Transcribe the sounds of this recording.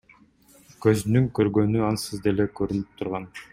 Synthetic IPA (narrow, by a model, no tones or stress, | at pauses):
kø̞znyŋkø̞ɾɡø̞nyɑnsɯzd̪elekø̞ɾynyp̚t̪ʰuɾʁɑn